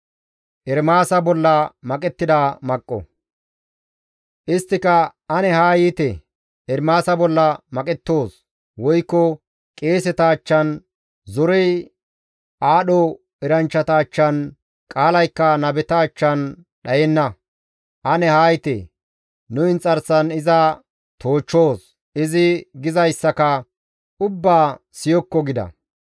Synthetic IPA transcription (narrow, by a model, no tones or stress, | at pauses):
ʔɛɾmaːsɐbɔlːɐmɐkʼɛt̪ːɪd̪amɐkʼːɔ̰ | ʔɪst̪ːɪkɐɐnɛhaːjit̪ɛ | ɛɾmaːsɐbɔlːɐmɐkʼɛt̪ːo̞ːs | wɔjkːɔ | kʼeːsɛt̪ɐːt͡ʃːɐn | zɔɾɛj | ʔaːɗɔ | ɛɾɐnt͡ʃːɐt̪ɐːt͡ʃːɐn | kʼaːlɐjkːɐnɐbɛt̪ɐːt͡ʃːɐn | ɗɐjɛnːɐ | ʔɐnɛhaːjt̪ḛ | nʊɪnt͡sʼɐɾsɐnɪzɐ | t̪o̞ːt͡ʃːo̞ːs | ɪzɪɡɪzɐjsːɐkɐ | ʔʊbːaːsɪjɔkːɔɡɪd̪ɐ̰